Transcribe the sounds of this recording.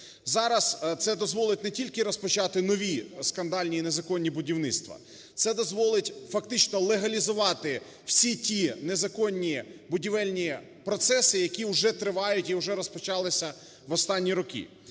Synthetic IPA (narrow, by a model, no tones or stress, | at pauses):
zɑɾɐst̪sɛd̪ɔzʋɔlˠɪtʲnɛtʲilʲkɪɾɔspɔt͡ʃɑt̪ɪnɔʋʲiskɐnd̪ɑlʲnʲiːnezɐkɔnʲːibʊdʲiwnɪt̪st̪ʋɐ̰ | t̪sɛd̪ɔzʋɔlˠɪtʲfɐkt̪ɪt͡ʃnɔlˠeɦɐlʲizʊʋɑt̪ɪ | w̥sʲitʲinezɐkɔnʲːibʊdʲiʋɛlʲnʲi | pɾɔt̪sɛsɪjɐkʲiwʊʒɛt̪ɾɪʋɑjʊtʲiuʒɛɾɔspɔt͡ʃɑlˠɪsʲɐ | ʋɔst̪ɑnʲːiɾɔkʲḭ